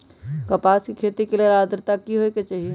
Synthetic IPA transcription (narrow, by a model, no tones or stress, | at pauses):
kɐpaːskikʰeːt̪ikelieɾaːd̪ɾt̪akiɦoeket͡ʃaːɦie